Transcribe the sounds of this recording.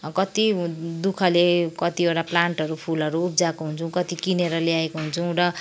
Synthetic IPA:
kʌt̪id̪ukʰʌlekʌt̪ioɽaplaɳʈʌɾupʰulʌɾuːp̚d͡zakoɦunt͡sʰuw̃kʌt̪ikineɾʌleaekoɦunt͡sʰuũɾʌ

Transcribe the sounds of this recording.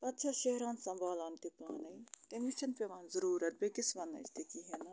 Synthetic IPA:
pɐt̪t͡ʃʰaːʃeɦɾaːnsɐ̃mbaːlaːnt̪ipaːnɐit̪emɪʃɐnpeːʋaːnzəɾuːɾət̪̚beːkɪsʋɐnːɐ̰ɪ̰st̪ekiɦɛna

